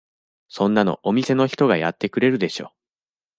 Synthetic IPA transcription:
sõ̞nːano̞̰ʔomʲise̞no̞çi̥t̪o̞ɡajat̪ːe̞kɯ̟ɾe̞ɾɯ̟d̪e̞ɕo̞̰ː

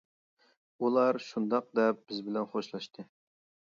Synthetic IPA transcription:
ulˠɑɾʃund̪ɑq̚d̪ɛp̚b̥ɪzbɪlɛnχoʃlˠɑʃt̪ʰɨ

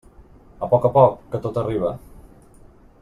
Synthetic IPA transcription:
əpɔkəpɔkːət̪ot̪əriβ̞ə

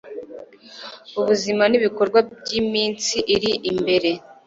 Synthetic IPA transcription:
uβuzimaniβiko̞ɾɡwabjimiːnt͡siʔiɾiʔimbe̞ɾe̞

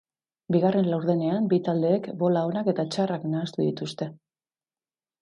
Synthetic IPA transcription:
biɣare̞nlawɾðene̞ambit̪ald̪e̞ːkbo̞lao̞nake̞t̪at͡ʃaraknaːst̪uðit̪ust̪e̞

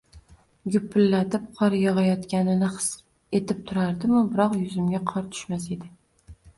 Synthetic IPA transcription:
ɡʊpʰːɪlːat̪ɪp̚qʰɒɾjɒʁɑjɒt̪kʲanɪnɪχɨ̥s | e̞t̪ʰɪp̚t̪ʰʊɾaɾd̪ɪmʊbɪɾɒqjʊzɪmɡʲaqʰɒɾt̪ʰʊ̥ʃmase̞d̪ɪ

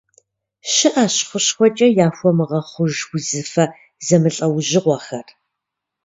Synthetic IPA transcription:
ɕɪʔaɕχʷʊɕxʷɔt͡ʃʼɐjaːfʷɔmɨʁɐχʷʊʒwʊzɨfɐ | zɐmɨɬʼɐwʑɪʁʷɔxɐr

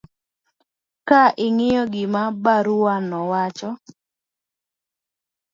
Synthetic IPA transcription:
kaʔɪŋɪjɔɡɪmabaɾuwanɔwat͡ʃɔ

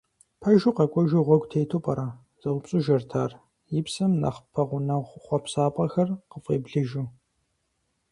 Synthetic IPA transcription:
pʰɐʒuqɐkʷʼɔʒuʁʷɔɡʷtʰeːtʰopʼɐɾaː | z̥ɨʁʷʊpɕʼʊʒɐrtʰaːr | jɪpsɐmnɐ̰χpʰɐʁʷʊnɐʁʷχʷɔpsaːpʼɐxɐrqəfʼeːbɮɨʒu

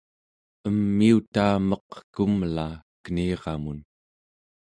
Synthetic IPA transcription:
əmːiut̪aːmʌqkumlaːkəniːʁɑmun

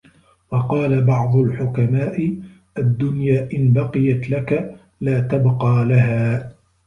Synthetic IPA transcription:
wɑqɑːlabɑʕd̪ˤʊlħʊkamaːʔɪ | ʔad̪ːʊnjaːʔɪnbɑqɨjat̪laka | laːt̪abqɑːlaɦaː

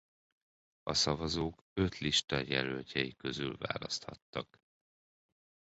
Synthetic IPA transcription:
ɒsɒvɒzoːk | ø̞t̪liʃt̪ɒjɛlølcʰɛjikø̞zylva̰ːlɒst̪hɒt̪ːɒk

